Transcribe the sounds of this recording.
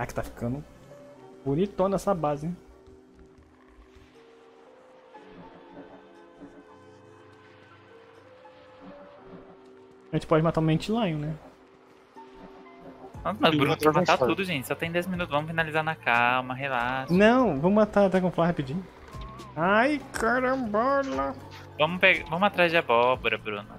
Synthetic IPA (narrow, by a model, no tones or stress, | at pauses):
akɪ̥t̪afi̥kɐ̃nd̪ʊ | bonit̪õnɛsɐbazɪ̃ | ʒẽt͡ʃɪ̥pɔd͡ʒɪmat̪ãmẽt͡ʃɪlɐ̃jʊnɛ | ɐ̃smɐzbɾũnʊpmat̪at̪ud̪ʊʒẽnt͡ʃɪ̥sɔt̪ẽj̃d̪ɛzminut̪ʊzvɐ̃mʊfinalizaɾnɐkawmɐɦelasnɐ̃w̃vɐ̃mʊmat̪aɾat̪ɛkõflahapid͡ʒĩɲʊ | ajkʰaɾɐ̃bɔlɐ | vɐ̃mʊpeɡavɐ̃mʊat̪ɾazd͡ʒɪɐbɔboɾɐbɾũnʊ